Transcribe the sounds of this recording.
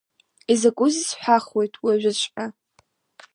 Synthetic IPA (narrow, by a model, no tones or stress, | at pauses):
izakʷʼʊzisħʷᶣaχwe̞jtʼwiaʒᶣʷat͡ʃʷʰʼħa